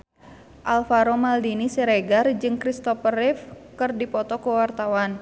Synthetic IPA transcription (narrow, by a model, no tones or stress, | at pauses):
ʔalfaɾomaldinisiɾɛɡard͡ʒɨŋkɾist̪ɔfərɪfkɨrdipɔt̪ɔkuwart̪awan